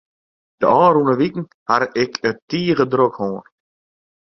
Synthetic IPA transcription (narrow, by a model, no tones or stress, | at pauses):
d̥ə̰ɑːɾunəʋikŋ̩ | haɾɪkʰətiːɣədɾokhoːn